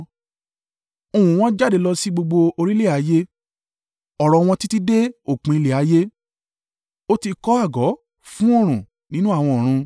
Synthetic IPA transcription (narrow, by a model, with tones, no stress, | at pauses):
o˧˨wũ˨w̃ɔ̃˦d͡ʒa˦˨de˨˧˦lɔ˧si˦ɡ͡bo˧ɡ͡bo˧o˧ɾi˦le˦˨a˨˦je˦ | ɔ˨ɾɔ˧w̃ɔ̃˧ti˦ti˦de˦o˦˨k͡pĩ˨˧i˧le˨a˨˦je˦ | o˦ti˧kɔ˦a˦˨ɡɔ˨˦ | fũ˦ɔ˦˨ɾ̃ũ˨ | nĩ˦nũ˦a˦˨w̃ɔ̃˧ɔ˨ɾ̃ũ˧